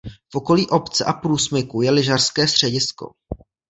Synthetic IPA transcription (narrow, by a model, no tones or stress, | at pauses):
fʔo̞ko̞liːʔo̞pt͡sɛʔapɾuːsmɪkujɛlɪʒarskɛːst̪r̥ɛɟɪsko̞̰